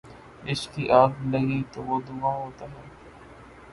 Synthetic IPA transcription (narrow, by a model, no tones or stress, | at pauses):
ɪskiːʔaːɡləɡiːt̪oːʋoːd̪ʊʋãːɦoːt̪aːɦɛː